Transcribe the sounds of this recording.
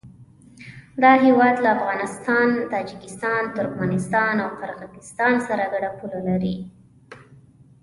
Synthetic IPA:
d̪ɑɦewɑd̪laːfɣɑnɪst̪ɑnt̪ɑd͡ʒɪkɪst̪ɑnt̪ʊɾkmɑnɪst̪ɑnawqaɾɣazɪst̪ɑnsaɾaɡaɽapulalaɾi

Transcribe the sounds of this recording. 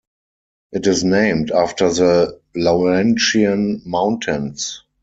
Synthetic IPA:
ʔɪtɪsnẽɪ̃mtaftə˞ðəloɛ̃nʃiə̃nmãʊ̃ntʰə̃ns

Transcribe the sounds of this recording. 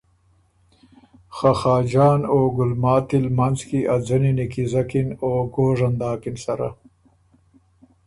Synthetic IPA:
xaxɑːd͡ʒɑːnoːɡʊlmɑːt̪ilmanzkiʔad͡zəninikizakinoːɡoːʐand̪ɑːkinsaɾa̰

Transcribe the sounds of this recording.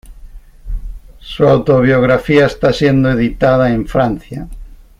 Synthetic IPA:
suawt̪oβjoɣɾafiaest̪asjend̪oeðit̪aðaẽɱfɾan̟θja

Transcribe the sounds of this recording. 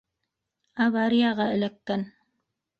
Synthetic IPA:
ɑβɑɾijɑʁɑɘ̆lækːæn

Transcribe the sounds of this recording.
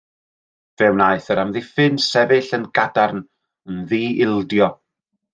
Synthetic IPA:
v̥ɛwnaɨθəɾamðifɪnsɛvɪɬənɡadarn | ənðiːɪlˠdjɔ

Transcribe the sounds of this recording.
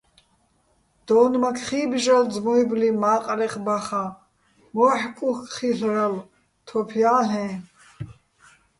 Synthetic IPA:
d̪̥ɔːnmakʰχiːbʒad͡zmɔiblimaːqʼɾɛχbaχa | mɔħkʼuxχiɬɾal | t̪ʰɔpʰijaːɬɛ̃ː

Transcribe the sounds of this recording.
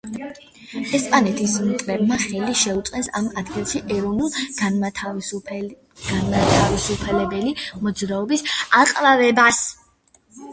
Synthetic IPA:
ɛspʼanɛt̪ʰismit̪ʼɾɛbmaχɛliʃɛut̪sʼqʼɛnsamad̪ɡilˠʃiʔɛɾɔvnulˠ | ɡ̥anmat̪ʰavisupʰɛlɛbɛlimɔd̪zɾaɔbisaqʼlavɛbas

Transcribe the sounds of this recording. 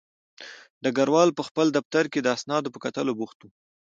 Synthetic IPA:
d̪əɡaɾwɑlpəxpəld̪aft̪aɾked̪əasnɑd̪opəkat̪əlobuxt̪u

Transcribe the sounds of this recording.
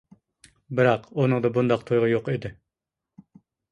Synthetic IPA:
bɪɾɑqonɨŋd̪ɑbund̪ɑq̚t̪ʰojʁɑjoqid̪ɪ

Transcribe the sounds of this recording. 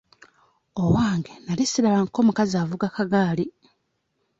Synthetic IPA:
owaːŋɡenalisiɾaβaːnko̞ːmukaziaːvuɡakaɡaːli

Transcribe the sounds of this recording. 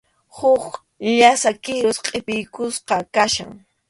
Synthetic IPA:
hʊχ | ʎasakɪɾosqʼepɪjkʊsqɑkaʃa̰ŋ

